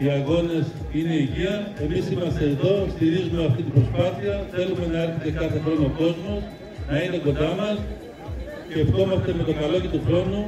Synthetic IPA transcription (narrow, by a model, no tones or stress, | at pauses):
iɐɣo̞ne̞s | ine̞iʝiɐe̞misimɐst̪e̞ːðo̞st̪iɾizume̞ɐft̪it̪ibɾo̞spɐθiɐθe̞lume̞nɐeɾçet̪e̞kɐθe̞xɾo̞no̞ko̞zmos | nɐine̞ko̞nd̪ɐmɐs | eft̪o̞mɐst̪e̞me̞t̪otɐlo̞ʝit̪uxɾo̞nu